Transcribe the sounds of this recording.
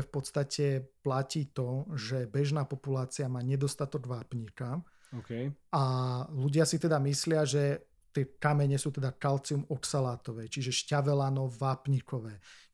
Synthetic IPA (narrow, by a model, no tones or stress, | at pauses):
ɛfpɔt̪st̪acʰɛplaciːt̪ɔʒɛbɛʒnaːpɔpulaːt͡siamaːɲɛd̪ɔst̪at̪ɔɡʋaːpɲika | ɔkɛaluɟɪasit̪ɛd̪amislɪaʒɛ | t̪ɪɛkamɛɲɛsuːt̪ɛd̪akalt͡siumɔksalaːt̪ɔʋɛːt͡ʃiʒɛʃcaʋɛlanɔʋaːpɲikɔʋɛː